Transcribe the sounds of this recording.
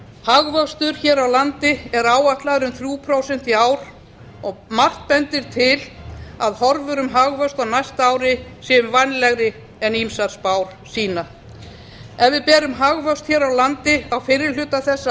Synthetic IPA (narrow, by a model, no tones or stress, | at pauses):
haɣvœkst̪ʏɾ̥çɛːɾawlant̪ɪɛɾaːwaht̪laðɾʏmθɾjuːpʰɾawsɛn̥t̪iaːwɾ | ɔɣmar̥t̪̚pɛnt̪ɪɾ̥t̪ʰɪlaðhɔɾvʏɾʏmɦaɣvœst̪awnajst̪aaːwɾɪsjɛʏmvanlɛɣɾɪ | ɛnimsaɾspaːwɾ̥ | siːna | ɛvɪðpɛːɾʏmɦaɣvœkst̪çɛːɾawlant̪ɪawfɪɾɪ̥l̥ʏːt̪aθɛsːa